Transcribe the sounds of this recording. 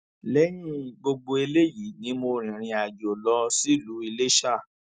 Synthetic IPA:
lɛ˨˦j̃ĩ˦ɡ͡bo˧ɡ͡bo˧e˧le˦ji˨˦nĩ˨˦mo˧ɾ̃ĩ˨ɾ̃ĩ˧a˨d͡ʒo˨lɔ˧˦si˦˨lu˨˦i˧le˦ʃa˦˨

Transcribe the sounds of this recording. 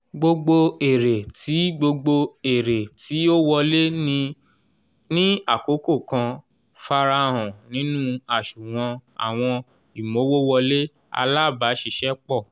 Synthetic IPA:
ɡ͡bo˧ɡ͡bo˧e˨ɾe˨tʰi˨˦ɡ͡bo˧ɡ͡bo˧e˨ɾe˨ti˨˦o˦wɔ˧le˦nĩ˧ | nĩ˦a˦˨ko˨˦ko˦˨kã˧ | fa˧ɾa˧ɦɔ̃˨nĩ˨˦nũ˦a˨ʃu˨w̃ã˧a̰˨w̃ɔ̃˧ | i˨mo˨˦wo˦wɔ˧le˦ | a̰˧la˦˨ba˨˦ʃi˦˧˨ʃɛ˦k͡pɔ˦˨

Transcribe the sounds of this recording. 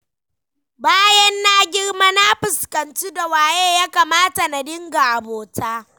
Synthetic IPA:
baː˦jɛ˦nːaː˦ɡʲɪ˦ɽma˦na˦ɸɪ˨skɐ˨nt͡ʃi˦da˨waː˨jeː˦jaː˦kaː˨maː˦ta˨na˨dɪ˦ŋɡa˨ʔa˨boː˨taː˦

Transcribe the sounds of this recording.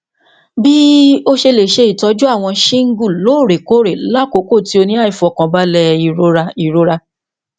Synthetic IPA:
bi˦o˦ʃe˧le˨ʃe˧i˨tɔ˧˦d͡ʒu˦a˦˨w̃ɔ̃˧ʃĩ˦ŋ̩˦ɡu˦˨loː˨˦˨ɾe˨ko˨˦ɾe˨la˦˨ko˨˦ko˦˨ti˧˦o˧nĩ˦a˦˨i˨fu˨˧ɔ˨kã˧ba˦lɛ˧i˨ɾo˨˦ɾa˧i˨ɾo˧ɾa˧

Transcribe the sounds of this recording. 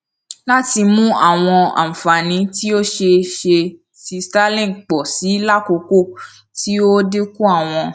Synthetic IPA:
la˦ti˧mũ˦a˦˨w̃ɔ̃˧a̰˨m̩˨fa˨nĩ˨˦ti˦o˦ʃe˧ʃe˧ | si˧sta˦lĩ˦˨k͡pɔ˨si˨˦la˦˨ko˧ko˦˨ | ti˦o˦de˦ku˦a˦˨w̃ɔ̃˧

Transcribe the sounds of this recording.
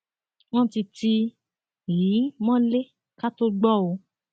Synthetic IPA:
w̃ɔ̃˦ti˧ti˧ | ji˨˦mɔ̃˦le˦ | ka˦to˦ɡ͡bɔ˦˨o˨˧˦

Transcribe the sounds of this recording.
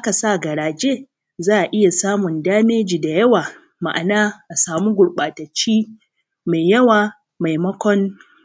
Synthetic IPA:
ʔa˦ka˨sa˦˨ɡɐ˨ɽaː˨d͡ʒeː˦ | zaː˦ʔa˨ʔɪ˦ja˨saː˦mʊ˨ndaː˦meː˦d͡ʒiː˨da˨jɐ˦waː˨ | ma̰˨ʔa˨naː˦ʔa˨saː˨mu˦ɡʷʊ˨ɽɓaː˨tɐ˨t͡ʃːiː˦ | ma˨jjɐ˦waː˨ | ma˨jmɐ˦kʷɔ˦n

